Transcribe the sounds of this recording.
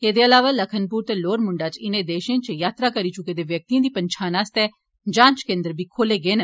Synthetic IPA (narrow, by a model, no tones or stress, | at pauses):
eːd̪eːəlaːʋaːləkʰənpuːɾt̪eːloːɾmʊɳɖaːt͡ʃɪnẽːd̪eːʃẽːt͡ʃjaːt̪ɾaːkəɾiːt͡ʃʊkeːd̪eːʋjək̚t̪iːãːd̪iːpəɲt͡ʃʰaːnaːst̪ɛː | d͡ʒãːnt͡ʃkẽːnd̪əɾbʱiːkʰoːleːɡeːnə